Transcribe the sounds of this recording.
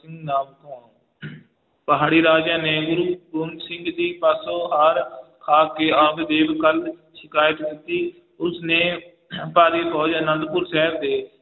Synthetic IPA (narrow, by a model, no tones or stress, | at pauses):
ɪ̃ŋɡnaːmk̪õː | pəɦaːɽiːɾaːd͡ʒjãːneːɡʊɾuːboːnsɪ̃ŋɡd̪iːpaːsoːɦaːɾkʰaːkeːãːb̪d̪eːʋkəlʃɪkaːjət̪kɪt̪iː | ʊsneː | paːɾiːfʰɔːd͡ʒənə̃nd̪pʊɾsɛːɾd̪eː